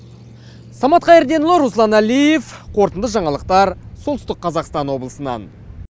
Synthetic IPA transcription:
sɑmɑt̪̚qʰɑjeɾd̪e̞nlˠəɾuslˠɑnælije̞fqʰo̞ɾt̪ənd̪əʒɑɴɑlˠəq̚t̪ɑɾsolt̪ʏst̪ɪqqʰːɑzɑqst̪ɑnwo̞blˠəsənɑ̰n

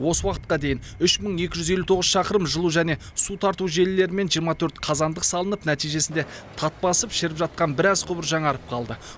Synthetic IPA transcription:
wo̞səwɑqət̪̚qɑd̪e̞jɪnʏʃməɴje̞kʲɪʒʏzelut̪ʰo̞ʁəz̥ʃɑqəɾəmʒəlˠuʒæne̞ | sut̪ʰɑɾt̪uʒe̞lɪːe̞ɾɪme̞nʒijəɾmɑt̪ʰɵɾt̪qʰɑzɑnd̪əqsɑlˠənəpnæt̪ijʒe̞sɪnd̪e̞ | t̪ʰɑt̪̚pɑsəpʃɪɾɪpʒɑt̪̚qɑnbɪɾɑzqʰʊbəɾʒɑɴɑɾəp̚qʰɑlˠd̪ə

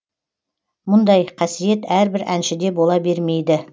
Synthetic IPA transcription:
mʊnd̪ɑjqʰɑsije̞t̪æɾbɪɾæ̰nʃɪd̪e̞bo̞lˠɑbe̞ɾme̞jd̪ɪ

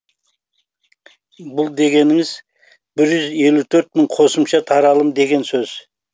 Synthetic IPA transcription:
bʊlˠd̪e̞ɡʲe̞nɪŋɪz | b̥ɪɾʒʏze̞lut̪ʰɵɾt̪̚məɴqʰo̞səmʃɑt̪ʰɑɾɑlˠəmd̪e̞ɡʲe̞nsɵz̥

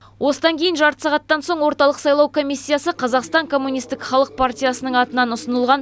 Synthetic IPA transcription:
wʔo̞səd̪ɑŋkʲʰe̞jɪnʒɑɾt̪ə̥sɑʁɑt̪ːɑnso̞ɴwo̞ɾt̪ɑlˠəqsɑjlˠɑwkʰo̞mijsʲːijasəqʰɑzɑqst̪ɑŋkʰo̞mːunʲist̪ɪkχɑlˠəq̚part̪ʲijasənəɴɑt̪ənɑnʊsənəlˠʁɑn

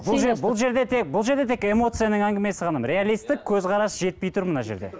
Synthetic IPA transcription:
bʊlˠʒebʊlˠʒe̞ɾd̪e̞t̪ʰe̞k̚bʊlˠʒe̞ɾd̪e̞t̪e̞ke̞mo̞t̪sɨjanəɴæŋɡʲɪme̞sɪqɑnəmɾʲe̞alijst̪ɪk̚ʲʰɵzqɑɾɑsʒe̞t̪̚pejt̪ʰʊɾmənɑʒe̞ɾd̪e̞̰

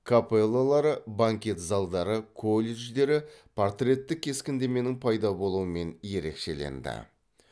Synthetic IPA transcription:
kʰapelˠːalˠɑɾəbaŋkʲe̞t̪zɑlˠd̪ɑɾəkʰo̞lʲeʒd̪e̞ɾɪpʰo̞ɾt̪rʲe̞t̪ːɪk̚ʲʰːe̞skʲɪnd̪e̞me̞nɪŋpʰɑjd̪ɑbo̞lˠuəme̞nje̞ɾe̞̰kʃe̞̰lḛnd̪ɪ̰

